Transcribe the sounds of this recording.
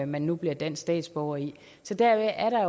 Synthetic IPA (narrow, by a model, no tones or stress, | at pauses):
mænːub̥liɐd̥en̰sd̥ɛ̰ːd̥sb̥ɒʊɐi | sɒ̽d̥æɐʋeʔæɐɾ̥ɑ̈jo